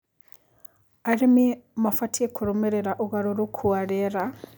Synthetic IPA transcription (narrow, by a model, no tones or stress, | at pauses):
aɾimimafatʰiekʰuɾomeɾeɾaʔuɣaɾuɾukʰuaɾeɾa